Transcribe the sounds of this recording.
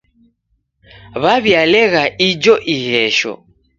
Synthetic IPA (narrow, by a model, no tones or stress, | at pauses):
βaβjalɛɣaʔid͡ʒɔʔiɣɛʃɔ̰